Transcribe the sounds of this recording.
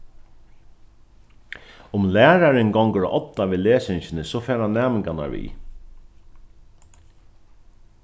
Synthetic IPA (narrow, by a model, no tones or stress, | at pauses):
ʊmlæːɾaɾɪnɡɔŋkəɾɔ̰ʔɔt̪ːaʋiːleːsɪɲɕɪnɪsɔfɛːɾanːæːmɪŋkana̰ɹʋḭː